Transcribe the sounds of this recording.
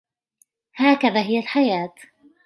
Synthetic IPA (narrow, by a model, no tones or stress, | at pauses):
haːkaðaːɦɪjalħajaːt̪